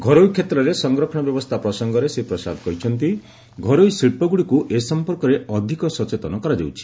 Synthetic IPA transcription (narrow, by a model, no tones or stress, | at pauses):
ɡʱɔɾojkʰːet̪ɾɔɾesɔŋɡɾɔkʰɔɽ̃ɔbjɔbɔst̪ʰapɾɔsɔŋɡɔɾesepɾɔsa̰d̪kɔɾit͡ʃʰɔnt̪i | ɡʱɔɾojsɾipɔɡuɽikuʔesɔmpɔɾkɔɾeʔɔd̪ʱikɔsɔt͡ʃet̪ɔnɔkɔɾad͡ʒa̰wt͡ʃʰi̥